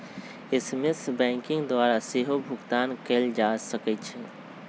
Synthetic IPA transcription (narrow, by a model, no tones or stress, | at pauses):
ɪsmɪsbɛ̃ːŋkɪ̃ŋɡd̪waːɾaseɦobʱʊɡt̪aːnkeːld͡ʒasəkɛt͡ʃʰɛ